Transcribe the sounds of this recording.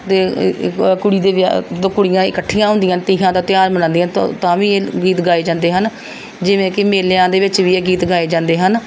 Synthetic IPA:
t̪eː | kʊɽiːd̪eːʋ̰t̪oːkʊɽɪjãːɪkəʈʰːijãːɦʊ̃nd̪ɪijãːt̪iːɦãːd̪aːt̪ɪjaːɾmənãːnd̪ijãːt̪ːt̪ãːʋiːeːɡiːt̪ɡaːeːd͡ʒãːnd̪eːɦən | d͡ʒɪʋẽːkɪmeːlejãːd̪eːʋɪt͡ʃʋiːeːɡiːt̪ɡaːeːd͡ʒãːnd̪eːɦən

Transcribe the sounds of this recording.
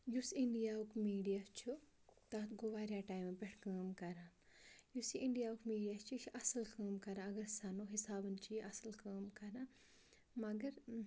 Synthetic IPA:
jusiɳɖijaːukmiːɖijaːst͡ʃʰu | t̪aːt̪ɡoʋaːɾjaːʈaːjmbʲeʈʰkəːmkɐɾãːjusiʔiɳɖijaːukmiːɖijaːst͡ʃʰikʰʔɐsɐlkəːmkɐɾãːɐɡɐɾsanoːɦisaːbənt͡ʃʰijʔɐsəlkəːmkɐɾãː | mɐɡɐɾ

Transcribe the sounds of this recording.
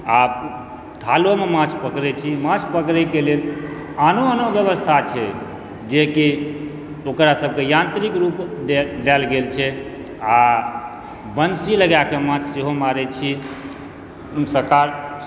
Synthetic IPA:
ap | t̪ʰalomemãt͡ʃʰpəkɾɛt͡ʃʰimãt͡ʃʰpəkɾɛkelel | anoanobjəβəst̪ʰat͡ʃʰɛ | d͡ʒeki | okɾasəb̚ʱkejãnt̪ɾikɾup̪d̪alɡelt͡ʃʰɛ | a | bənsiləɡjakemãt͡ʃʰseɦomaɾɛt͡ʃʰi | səɾkaɾ

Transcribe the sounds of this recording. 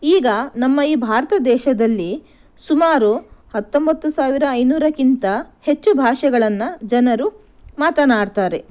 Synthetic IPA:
iːɡɐnɐmːɐiːbʱaːɾɐt̪ɐd̪ɛːʃɐd̪ɐlːi | sumaːɾuhɐt̪ːo̞mbɐt̪ːusaːʋiɾɐːjnuːɾɐkint̪ɐhe̞t͡ʃːubʱaːʂɛɡɐɭɐnːɐd͡ʒɐnɐɾu | maːt̪ɐnaːɽt̪aːɾe̞

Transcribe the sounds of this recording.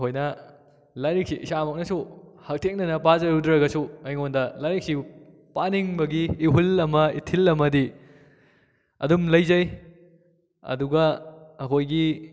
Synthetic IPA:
ɦojnɐ | laɾik̚siʔisamɐk̚nɐsuhɐk̚tʰek̚nɐnɐpazɐɾudɾɐɡɐsuɐjŋondɐlaɾik̚si | paniŋbɐɡiːɦulɐmɐitʰilɐmɐdi | ɐ̰dumlɐjzɐj | ɐ̰duɡɐɐkʰojɡi

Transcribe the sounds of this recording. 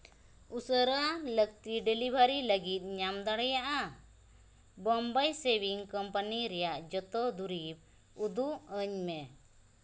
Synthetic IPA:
usəɾalək̚t̪iɖelibʱaɾiləɡit̪̚ˀɲamd̪aɽɛjaʔa | bɔmbajsebiŋkɔmpaniɾɛjaʔd͡ʒɔt̪ɔd̪uɾib̚ | ud̪uʔəɲmɛ

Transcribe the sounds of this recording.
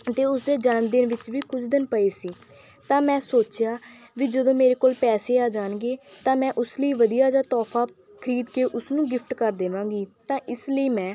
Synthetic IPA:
ət̪eːʊsd̪eːd͡ʒənəmd̪ɪnʋɪt͡ʃʋiːkʊt͡ʃʰd̪ɪnpəeːsiː | t̪ãːmɛ̃ːsoːt͡ʃjaː | ʋiːd͡ʒəd̪õːmeːɾeːkoːlpɛːseːaːd͡ʒaːnɡeːt̪ãːmɛ̃ːʔʊsləiːʋəd̪ijaːd͡ʒãːt̪ɔːpʰaː | kʰəɾiːd̪keːʔʊsnũːɡɪpʰʈkəɾd̪eːʋãːɡiːt̪ãːʔɪsləiːmɛ̃ː

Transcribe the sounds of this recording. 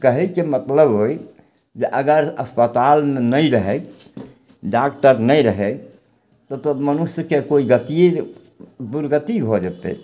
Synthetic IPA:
kəɦɛkemət̪ləbɦoj | d͡ʒeʔəɡəɾəspət̪almenəjɾəɦɛ | ɖakʈəɾnəɾəɦɛ | t̪ɔt̪əmənusjəkekoiɡət̪ie | buɾɡət̪ibʱod͡ʒət̪ɛ̰

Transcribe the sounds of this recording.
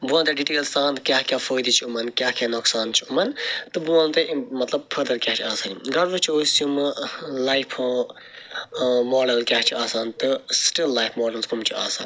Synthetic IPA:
buãnt̪eɖiʈeːlsãːnt̪ɨkʲjaːhkʲjaːfoːjd̪it͡ʃʰiumɐnkʲjaɦkʲanoksaːnt͡ʃʰiumɐnt̪ɨbuãːnt̪ɨʔmɐt̪lɐb̚pʰəɾd̪ɐɾkʲjaɦt͡ʃʰiaːsaːniɡɐɽʋut͡ʃʰioːsjumɨlaːjpʰõː | moːɖɐlkʲjaɦt͡ʃʰiaːsaːnt̪ɨsʈilːaːjpʰmoːɖɐlskʰumt͡ʃʰiaːsaːn

